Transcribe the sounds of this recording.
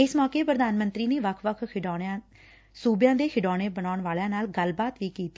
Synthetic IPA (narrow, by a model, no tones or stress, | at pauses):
ɪsmɔːkeːpɾəd̪aːnmə̃nt̪ɾiːneːʋəkʰʋəkʰɖːãː | suːbjãːd̪eːkʰɪɖaːɽ̃eːbənaːʊɳʋaːljãːnaːlɡəlbaːt̪ʋiːkiːt̪i